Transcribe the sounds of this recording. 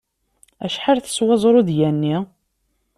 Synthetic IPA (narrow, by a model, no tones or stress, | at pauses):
æ̰ʃħaɾθə̥swɑzˤɾˤuðjænːi